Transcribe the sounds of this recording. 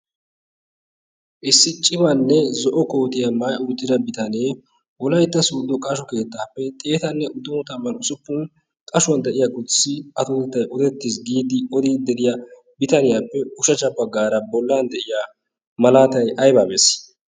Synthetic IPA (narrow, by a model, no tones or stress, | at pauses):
ʔɪsːɪt͡ʃʼːɪmɐnːɛzɔʔɔko̞ːt̪ɪjɐmɐjʊjt̪ːɪd̪ɐbɪt̪ɐneː | wɔlɐjt̪ːɐsuːd̪ɔkʼɐʃɔke̞ːt̪ːaːpːɛt̪ʼe̞ːt̪ɐnːɛʔʊd̪ʊmɔt̪ɐmːɐnʊsʊpːʊn | kʼɐʃʊwɐnd̪ɛʔɪjaːkʼʊt͡sːɪʔɐt̪ʊt̪ɛt̪ːɐjʔɔd̪ɛt̪ːɪsɡiːd̪ɪɔd̪eːd̪ɛd̪ɪja | bɪt̪ɐnɪjaːpːɛʊʃɐt͡ʃɐbɐɡaːɾɐbɔlːand̪ɛʔɪjaː | mɐlaːt̪ɐjʔɐjbaːbḛːs